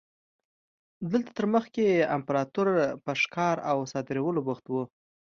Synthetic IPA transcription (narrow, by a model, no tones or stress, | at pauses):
d̪əlt̪ḁt̪əɾməxkeampɾɑt̪uɾpəʂkɑɾawsɑd̪ɪɾawəlobəxt̪wu